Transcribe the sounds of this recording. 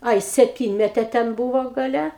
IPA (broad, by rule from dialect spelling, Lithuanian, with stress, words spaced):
ˈɐɪ sʲɛpʲˈtʲiːnʲmʲɛtʲeː tʲɛn ˈbuːʋoː ɡɐˈlʲɛ